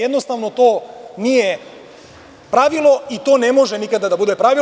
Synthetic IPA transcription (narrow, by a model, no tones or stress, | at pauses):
ed̪nost̪aʋnot̪oːnije | pɾaʋilˠo̞it̪oːnemoʒenikad̪ad̪abud̪epɾaʋi